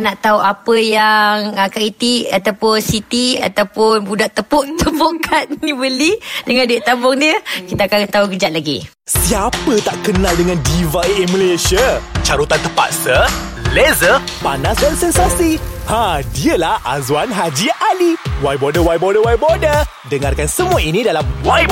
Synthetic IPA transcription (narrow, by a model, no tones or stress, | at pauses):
naʔt̪auʔapəjaŋəkɾit̪iʔkat̪awpʊnsit̪ia̰t̪awpʊnbudaʔt̪əpɔʔt̪əpoʔkʰat̪̚nĩbəlidəŋãnduiʔt̪abɔŋdiəkit̪aakat̪aukəd͡ʒaʔ̪̚laɡḭ | siapət̪aʔkənaldəŋandivaiməlesiat͡ʃaɾut̪ant̪əpa̰t̪̚sə | lezəpanasdansɛnsasihadiəlahazuanɦad͡ʒialiwajbodəwajbodəwajbodə | dəŋarkansəmuainĩdalamwaj